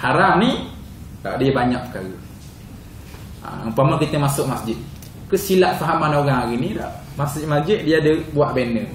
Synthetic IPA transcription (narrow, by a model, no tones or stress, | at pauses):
haɾani | la̰ʔdiəbaɲak̚pə̥kaɣə | a̰əpamankit̪əmasʊk̚masd͡ʒɪt̪̚ | kəʔsilaʔsaɦamːanaoɣaŋaɣinila̰ʔ | masd͡ʒɪt̪masd͡ʒɪt̪̚diadəbuaʔ̚bɛnːə